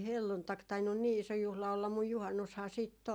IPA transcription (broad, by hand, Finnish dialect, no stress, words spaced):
helːuntɑk tɑinːun niː iso juhlɑ olːɑm muj juhɑnːushɑː siːtː